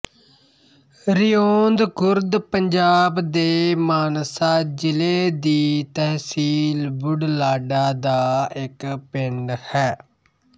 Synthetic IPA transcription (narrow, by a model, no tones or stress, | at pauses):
ɾɪjoːnd̪kʊɾd̪pəɲd͡ʒaːbd̪eːmaːnsaːd͡ʒɪleːd̪iːt̪ɛɦsiːlbʊɖlaːɖaːd̪aːɪkpɪɳɖhɛː